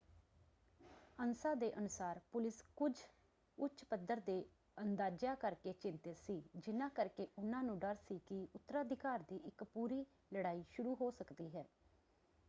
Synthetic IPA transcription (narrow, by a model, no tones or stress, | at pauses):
ənsaːd̪eːʔənʊsaːɾpʊlɪskʊd͡ʒ | ʊt͡ʃpəd̪əɾd̪eː | ənd̪aːd͡ʒjaːkəɾkeːt͡ʃɪnt̪ɪt̪siːd͡ʒɪnãːkəɾkeːʔʊnãːnũːɖəɾsiːkɪʊt̪ːəɾaːd̪ɪkaːɾd̪iːʔɪkpuːɾiː | ləɽaːiːʃʊɾuːɦoːsəkd̪iːɦɛː